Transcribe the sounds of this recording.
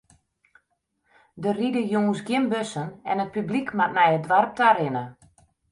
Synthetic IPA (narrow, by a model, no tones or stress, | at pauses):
dəridəjoŋənsɡjɪnbøsənɛ̰nət̚pyblikmatmɛjədʋarp̚taɾɪnə